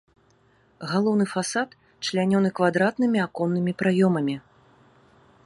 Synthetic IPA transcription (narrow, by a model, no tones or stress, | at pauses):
ɣalˠɔwnɨfasat̪ | t͡ʂlʲanʲɔnɨkvad̪ɾat̪nɨmʲiakɔnːɨmʲipɾajɔmɐmʲi